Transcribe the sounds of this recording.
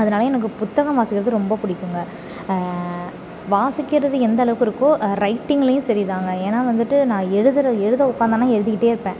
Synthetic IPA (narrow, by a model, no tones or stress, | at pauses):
ɐðɐnaːlɐjɛnɐk̬ːɯpʊt̪ːɐɣɐ̃mʋaːsɪkːɪɾɐðɯɾɔmbɐpʊɽɪkːɯŋɡɐ | ʋaːsɪkːɪɾɐðɯɛnd̪ɐlɐʋɯkːɪɾɯkːʊ̃ɾɐɪʈːɪŋɡɐlɐjʊ̃sɐɾiðaːŋɡɐeːnaːʋɐnd̪ɯʈːɯnãːɛɻɯðɐɾɐɛɻɯðɐʊkːaːnd̪ɐnãːɛɻɯðɯkɪʈːeːɪɾɯpːẽː